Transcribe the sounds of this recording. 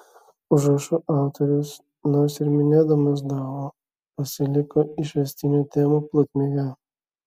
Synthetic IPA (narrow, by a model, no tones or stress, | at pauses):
ʊʒɾɐʃʊʔɑˑʊt̪ɔɾʲʊs | noɾsɪɾmʲɪnʲeːd̪ɐmʊsd̪ɑːʋo | pɐsʲɪlʲɪkoːɪʃʲʋʲɛsʲt̪ʲɪnʲoːt̪ʲeːmoplˠʊk̪ʲmʲeɡʲɛ